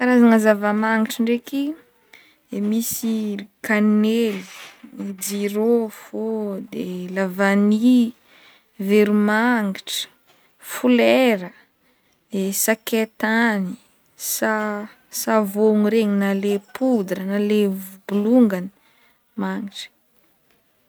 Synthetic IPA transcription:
kaɾazaŋazavəmaŋɡiʈ͡ʂəɳɖ͡ʐeki̥ | emisikanelid͡ʒiɾofod̪elavani | veɾumaŋɡiʈ͡ʂə̥ | fuleɾə | d̪esaket̪ani̥ | sa | savoŋuɾeɲinalepʰud̪ɾənalevubuluŋɡanə | maŋiʈ͡ʂə̥

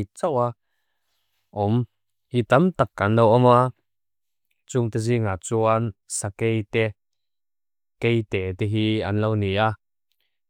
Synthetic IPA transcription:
t͡sawa | ʔɔm | hit̪amt̪akːɐnlowʔɔma | t͡suʊŋt̪ɛziŋaːt͡suansakejt̪ɛ | kejt̪ɛːt̪ɛɦianlownia

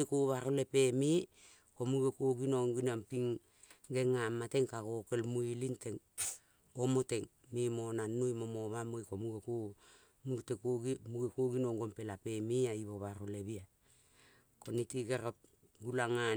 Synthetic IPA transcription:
ekoβaɾole̞pemi | komuɡekoɡinoŋɡinampiŋ | ɡeŋamate̞ŋkaɡoke̞lmuilinteŋ | omote̞ŋ | mimonanujmomoβamojkomuɡeko | muɡtekoɡimuɡekoɡinoŋɡompe̞lape̞miaiβoβaɾoleβia | konitiɡeɾop̚ | ɡulaŋa

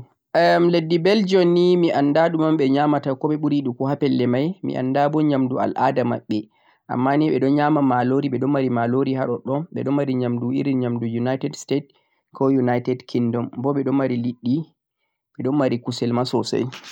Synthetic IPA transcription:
mledːibɛld͡ʒɔnːimiʔandaɗumamɓɛɲamatakɔɓɛɓuɾiɗukɔɦapɛlːɛmajmḭʔa̰ndabɔɲamdua̰lʔa̰dama̰ɓːɛ | ʔa̰mːaniɓɛɗɔnɲamamaloɾiɓɛɗɔnmaɾimaloɾiɦaɗɔɗɔnɓɛ̰ɗɔnmaɾiɲamduʔḭɾiɲamdujunajtɛdstet | kɔjunajtɛdkʰindɔmbɔɓɛɗɔnmaɾiliɗːi | ɓɛɗɔnmaɾikusɛlmasɔsa̰j

